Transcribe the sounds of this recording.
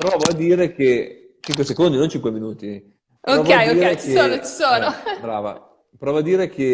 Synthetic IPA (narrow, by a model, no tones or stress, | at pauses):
pɾoɔːvoad̪iːɾeke | t͡ʃiŋkwesekond̪inont͡ʃiŋkweminuːt̪i | poɔːvkɛad̪iːɾet͡ʃkieoːnot͡ʃi̥soːnobɾa̰ːva̰ | pɾɔːvoad̪iːɾek̟e